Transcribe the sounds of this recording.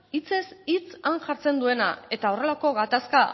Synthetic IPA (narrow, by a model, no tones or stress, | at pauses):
it͡se̞sit͡sanʝaɾt͡se̞nd̪ue̞na̰e̞t̪ao̞re̞lako̞ɣat̪aska